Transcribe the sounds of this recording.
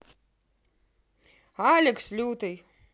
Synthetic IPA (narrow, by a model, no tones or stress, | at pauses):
alʲekslʲuːt̪ɐj